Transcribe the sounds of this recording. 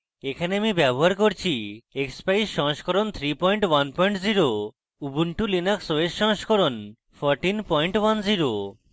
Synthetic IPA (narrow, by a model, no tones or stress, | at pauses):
ekʰaneamibɛboɦaɾkoɾt͡ɕʰiekspajsʃɔɦʃkɔɾont̪ʰɾipɔjɳʈwanpɔjɳʈziɾo | ubuɳʈulinaksoesʃɔ̃ɦʃkʰɔɾon | pʰɔɾʈinpɔjɳʈwanziɾo